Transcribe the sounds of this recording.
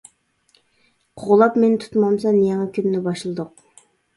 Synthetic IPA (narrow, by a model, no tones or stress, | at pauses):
qʰoʁlˠɑpment̪ʰu̥t̪mɑmsɑnjɑŋɑkʲʰynːɪbɑʃlˠɨd̪ʊq̚